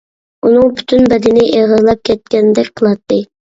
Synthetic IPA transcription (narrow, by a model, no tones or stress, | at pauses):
unɨŋpʰy̥t̪ʰynbɛd̪ɪnɪʔeʁɨzlˠɑp̚kʲʰɛt̪̚kʲɛnd̪ɛkʲqʰəlˠɑt̪ʰːɨ